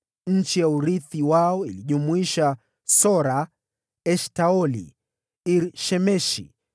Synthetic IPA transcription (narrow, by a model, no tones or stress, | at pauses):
ɲ̩t͡ʃijauɾiθiwaɔiliʄumuiʃa | sɔɾa | ɛʃtaɔlḭ | iɾʃɛmɛʃḭ